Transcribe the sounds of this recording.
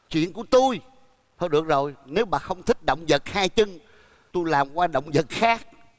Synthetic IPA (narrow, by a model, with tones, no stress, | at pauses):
t͡ɕwḭ˧˨ənku˧˩ət̪u˧j | t̪ʰːjɗɨ˨˩ək̚zo˨˩jne˨˦wɓa̰ː˨˩xə˧wŋ͡mt̪ʰï˦˥k̚ɗə̰˧˨wŋ͡mzə˨˩t̚haː˧jt͡ɕɨ˧ŋ | t̪u˧jlaː˨˩mkwaː˧ɗə̰˧˨wŋ͡mzə˨˩t̚xaː˦˥k̚